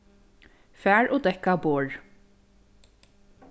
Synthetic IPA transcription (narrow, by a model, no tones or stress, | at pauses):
fæːɹʔɔd̪ɛkaboːɹ